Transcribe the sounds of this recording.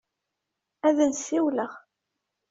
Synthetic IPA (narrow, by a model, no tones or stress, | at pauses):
æðənsiwləʁ